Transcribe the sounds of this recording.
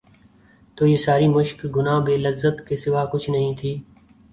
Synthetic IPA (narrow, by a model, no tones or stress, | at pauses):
t̪oːjeːsaːɾimʊʃkɡʊnaːbeːlɐɡzət̪kesɪʋakʊt͡ʃʰnɐɦĩt̪ʰiː